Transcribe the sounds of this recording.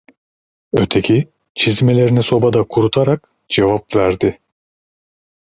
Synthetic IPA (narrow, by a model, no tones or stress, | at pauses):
øt̪ʰe̞cʰi | t͡ʃʰizme̞lʲe̞ɾiniso̞bad̪akʰuɾut̪ʰaɾak | d͡ʒevapvæɾd̪ɪ